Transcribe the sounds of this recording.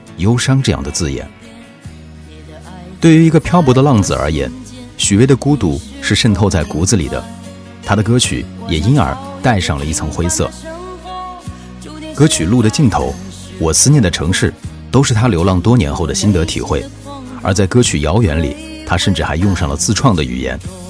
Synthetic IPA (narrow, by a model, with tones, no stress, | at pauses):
jo˥ʊʂɑ˥ŋʈ͡ʂɤ˥˧jɑ̰˥˩ŋd̪ə˩t͡sɹ̩˥˩jɛ̰˨˩˦n | t̪we˥˩ɪy˧˥i˧˥ɡə˧pʰjɑ˥ʊp̬wɔ˧˥d̪ə˧lɑ˥˩ŋd͡zɹ̩˧˩ə̰˞˧˥jɛ̰˧˥nɕy˨˩we˥ɪd̪ə˨ku˥t̪u˧˥˩ʂɻ̩˥˧ʂə˥˧nt̪ʰo˥˧ʊt͡sa˥˩ɪku˧˥d͡zɹ̩˧lḭ˨˩d̪ə̰˦ | t̪ʰa˥d̪ə˨kɤ˥t͡ɕʰy̰˨˩˦jɛ˨˩i˥nə̰˞˧˥t̪a˥˧ɪʂɑ˥˩ŋlə˩i˥˩t͡sʰɤ˧˥ŋxwe˥ɪsɤ̰˥˩ | kɤ˥t͡ɕʰy˨˩lu˥˩d̪ə˩t͡ɕi˥˩nt̪ʰo˧˥ʊ | wɔ˨˩sɹ̩˥njɛ˥˩nd̪ə˩ʈ͡ʂʰɤ˧˥ŋʂɻ̩˥˩ | t̪o˥ʊʂɻ̩˥˩t̪ʰa˥ljo˧˥ʊlɑ˥˩ŋt̪wɔ˥njɛ̰˧˥nxo˥˩ʊd̪ə˩ɕi˥nt̪ɤ˧˥t̪ʰḭ˨˩xwe˥˩ɪ | ə˞˧˥t͡sa˥˩ɪkɤ˥t͡ɕʰy˨˩jɑ˧˥ʊɥɛ˧˥nlḭ˨˩˦ | t̪ʰa˥ʂə˥˧nʈ͡ʂɻ̩˥˩xa˧˥ɪjʊ˥˧ŋʂɑ˥˩ŋlə˩t͡sɹ̩˥˧ʈ͡ʂʰwɑ˥˩ŋd̪ə˩y̰˨˩jɛ̰˧˥n